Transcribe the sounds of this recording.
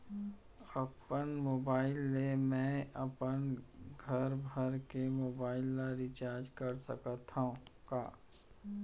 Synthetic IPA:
ɐpənmoːbaːɪlːemɛ̃ɐpənɡʱɐɾbʱəɾkemoːbaːɪlːaɾɪt͡ʃaːɾd͡ʒkɐɾsə̰kət̪aũka̰ː

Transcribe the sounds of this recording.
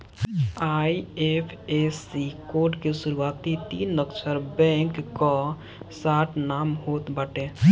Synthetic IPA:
aːiepʰesikoːɾɖkesʊɾuwaːt̪it̪iːnːəkt͡ʃʰəɾbɛ̃ːŋkːɔ | saːʈʰnaːmɦoːt̪bəʈẽː

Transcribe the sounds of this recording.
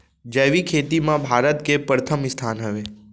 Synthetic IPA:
d͡ʒəʋikʰet̪imãbʱaːɾət̪kepɾət̪ʰəmɪst̪ʰanɦəʋe

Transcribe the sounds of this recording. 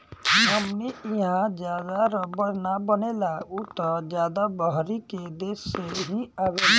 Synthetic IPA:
məmneɪɦãd͡ʒjaːd̪aɾɔbənabənelaut̪ɔd͡ʒjaːd̪abɔɦɾiked̪eːʃeɦĩabe

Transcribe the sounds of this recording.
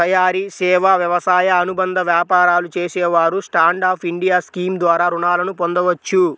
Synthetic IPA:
ɐjaːɾisɛːʋaʋjɐʋɐsaːjɐːnubɐnd̪ʱɐʋjaːpaːɾaːlut͡ʃeːsɛːʋaːɾusʈaːɳɖaːpʰiɳɖijaːskiːmd̪ʋaːɾaːɾuɳaːlɐnupond̪ɐʋɐt͡ʃːu

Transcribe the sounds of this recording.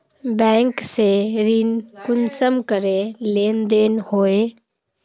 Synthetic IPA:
bɛ̃ːŋkseɾinkʊnsəmkəɾeleːnd̪eːnhoːeː

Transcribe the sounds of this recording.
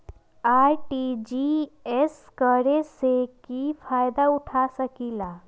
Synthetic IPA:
aːɾʈid͡ʒieskəɾesekifaːjd̪aʊʈʰasəkiːla

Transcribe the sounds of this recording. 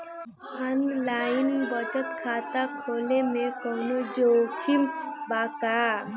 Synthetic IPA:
ənlainbət͡ʃət̪kʰat̪akʰolemekəɦnod͡ʒokʰimbaka

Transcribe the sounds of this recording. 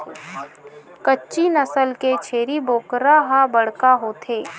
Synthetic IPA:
kətːt͡ʃinəsəlket͡ʃʰeːɾiboːkɾaɦabɐɽ̤kaɦoːt̪ʰeː

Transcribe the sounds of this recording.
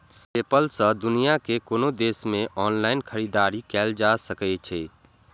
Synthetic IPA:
eːpəlsə̃d̪ʊnijakekoːnod̪eːsmẽʔɔːnlaːɪnkʰəɾid̪aːɾikɛːld͡ʒasəkɛt͡ʃʰɛː

